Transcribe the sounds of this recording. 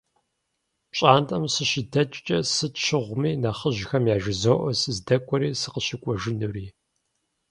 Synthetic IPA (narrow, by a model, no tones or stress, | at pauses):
pɕʼaːntʼɐmsɨʃɪdɐt͡ʃʼt͡ʃʼɐsɨtʃɪʁʷmiːnɐχəʒxɐmjaːʒɪzoːʔɔsɨzdɐkʷʼɔɾiːsɨqəɕɪkʷʼɔʒɪnɨriː